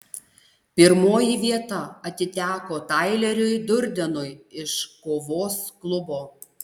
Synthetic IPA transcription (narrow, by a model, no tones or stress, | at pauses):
pʲɪɾmoːjiʋʲiɛt̪ɐɐt̪ʲɪt̪ʲæːkoːt̪ɑɪlʲɛɾʲʊjd̪ʊɾʲd̪ʲɛnʊjɪʃkoːʋoːsklˠʊboː